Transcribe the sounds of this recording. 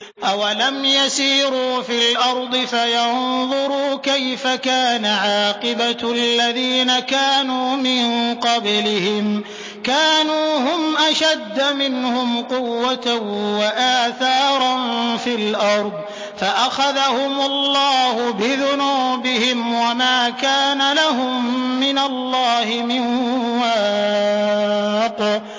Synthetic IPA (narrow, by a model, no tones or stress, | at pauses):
ʔawalamjasiːɾuːfilʔɑɾˤd̪ˤɨfajɑnnðˤʊɾuːkajfakaːnaʕɑːqɨbaalːaðiːnakaːnuːmɪnqɑblɪhɪm | kaːnuːhʊmʔaʃad̪ːamɪnhʊmqʊwːat̪awaʔaːθɑːɾˤɑnfilʔɑɾˤd̪ˤ | faʔaxaðahʊmʊlːɑːhʊbɪðʊnuːbɪhɪmwamaːkaːnalahʊmːɪnalːɑːhɪmɪnwaː | q